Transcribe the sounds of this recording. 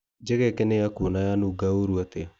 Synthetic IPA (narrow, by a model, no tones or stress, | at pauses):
d͡ʒɛɣɛkɛnejakonajanuɡaoɾuate